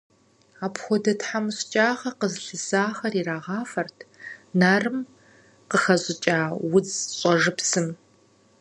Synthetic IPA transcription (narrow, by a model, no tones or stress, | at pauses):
aːpxʷɔdɐtħamɕʼt͡ʃʼaːʁɐqəzɬɨzaːxɐriraːʁɑːfɐrtʰnaːrɨm | qəxɐɕʼɪt͡ʃʼaːwʊd͡zɕʼɔʒɨpsɨm